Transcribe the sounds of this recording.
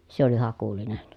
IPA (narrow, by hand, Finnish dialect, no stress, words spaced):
se oli hɑkulinen